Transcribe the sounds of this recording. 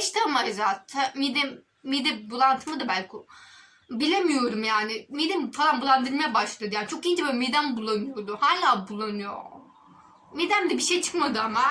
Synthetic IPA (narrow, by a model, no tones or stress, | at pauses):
aʃt̪ʰamajzat̪ʰamid̪ɛ | mid̪ibulˠant̪ʰɯmɯd̪abælʲkʰo | bilʲemijo̞ɾumjaːnɪmid̪ɛmfalˠanbulˠand̪ɯɾmajabaʃlˠad̪ɯjaːnt͡ʃʰo̞kiind͡ʒɛbøːlʲmid̪ænbulˠːanɯjo̞ɾd̪uhaːlʲaːbulˠːanɯjo̰ | mid̪ænd̪ɛbiʃejt͡ʃʰɯ̥kmad̪ɯama